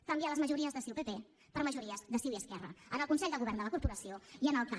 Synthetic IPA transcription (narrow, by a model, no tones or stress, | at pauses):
kəmbialəzməʒuɾiəzðəsiwpepe | pəɾməʒuɾiəzðəsiwiəskɛrə̰ənəlˠkunsɛʎʲd̪əlɣuβɛɾnd̪ələkuɾpuɾəsioiənəlˠka